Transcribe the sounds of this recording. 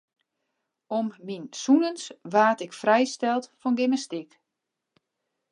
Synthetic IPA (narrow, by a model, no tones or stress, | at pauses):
ɔmːinsunənsʋaːtɪkfrɛjstɛlˠtfɔnɡɪməstɪk